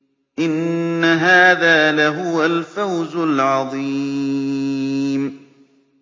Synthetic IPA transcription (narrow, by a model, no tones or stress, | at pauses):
ʔɪnːaɦaːðaːlaɦʊwalfawzʊlʕɑðˤiː | m